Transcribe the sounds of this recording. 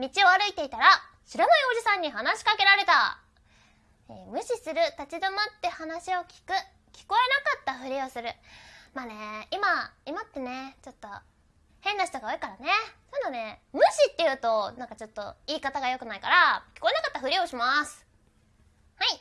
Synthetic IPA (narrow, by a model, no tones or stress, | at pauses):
mʲit͡ɕio̞aɾɯ̟it̪e̞it̪aɾa | ɕiɾamajo̞ːʑisãɲ̟ːiɦanaɕi̥kake̞ɾaɾe̞t̪a̰ | ḛːmɯ̟ɕisɨɾɯ̟t̪at͡ɕid̪o̞mat̪ːe̞hanaɕio̞kʲi̥kɯ̟ | kʲi̥ko̞e̞nakat̪ːaɸɯ̟ɾʲio̞sɨɾɯ̟maːne̞imaimat̪ːe̞ne̞t͡ɕo̞t̪ːo̞ | hẽ̞nːaçi̥t̪o̞ɡao̞ːikaɾane̞sonːane̞mɯ̟ɕit̪ːe̞jɯ̟ːt̪o̞nãŋkat͡ɕo̞t̪ːo̞̰iːkat̪aɡajo̞kɯ̟naikaɾakʲi̥ko̞e̞nakat̪ːaɸɯ̟ɾʲioɕimasɨ̥ | hai